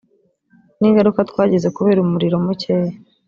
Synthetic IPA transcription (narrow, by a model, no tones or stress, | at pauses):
niːŋɡaɾukatkwaːɟe̞ze̞kuβe̞ːɾumuɾiɾo̞muceje